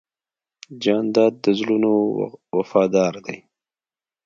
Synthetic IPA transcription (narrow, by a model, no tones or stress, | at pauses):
d͡ʒɑːnd̪ɑːd̪̚ːəzlunowafɑːd̪ɑːɾd̪aj